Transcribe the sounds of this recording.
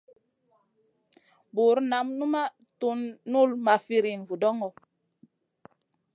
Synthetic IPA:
bu˨ɾna˨˦mnu˦ma˦ | tu˦nːu˦˨lma˨fi˦ɾi˨nvu˨dɔ˦ŋɔ˨

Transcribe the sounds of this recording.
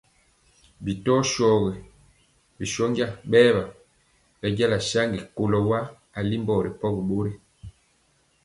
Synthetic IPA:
bi˨tɔ˦ʃɔː˦˨ɣɛ˨ | bi˨ʃɔ˦ŋɡja˦ɓɛː˦ba˨ | ba˨˦ɟa˦la˨ʃa˦ŋɡi˨ko˨lɔ˨wa˦ | a˨li˦mbɔ˨ɾɛ˨pɔ˦ɣi˨ɓo˦ɾe˦

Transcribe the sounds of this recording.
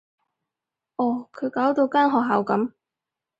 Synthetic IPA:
ʔɔː˨˩kʰɵ˨˧ɥkaː˨˥wt̪o˧wkaː˥nɦɔː˨k̚ɦaː˨˧wkɐ˨˥m

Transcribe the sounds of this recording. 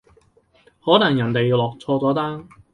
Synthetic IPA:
hɔː˨˥nɐ˨˩ŋjɐ˨˩nt̪e˨jlɔː˨k̚t͡sʰɔː˧t͡sɔː˨˥t̪aː˥ŋ

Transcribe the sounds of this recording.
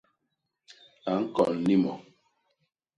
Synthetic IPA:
a˨ŋ̩˦kɔ˨n̩˦li˦mɔ˨

